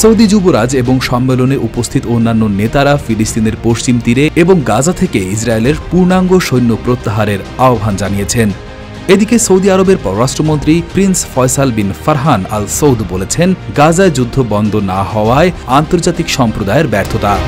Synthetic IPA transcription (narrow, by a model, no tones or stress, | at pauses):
sowd̪id͡ʑuboɾad͡ʑeboŋʃɔmːeloneʔupost̪ʰit̪oonːanːonet̪aɾafilist̪ineɾpoʃt͡ɕimt̪iɾeeboŋɡad͡ʑat̪ʰekeis̬ɾaeleɾpuɾnaŋɡoʃojnːopɾot̪ːaɦaɾeɾaobʱand͡ʑanijet͡ɕʰen | ed̪ikesowd̪iaɾobeɾpɔɾoɾaʃʈɾomont̪ɾipɾinsfɔjsalbinfaɾɦana̰lsowd̪ʱbolet͡ɕʰenɡad͡ʑaed͡ʑud̪ʱːobɔnd̪ʱonahɔoaeant̪oɾd͡ʑat̪ikʃɔmpɾod̪aeɾbɛɾt̪ʰot̪a